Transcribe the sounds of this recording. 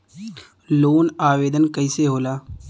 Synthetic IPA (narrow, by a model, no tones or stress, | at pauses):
loːnaːʋeːd̪ənkəɪseɦoːlaː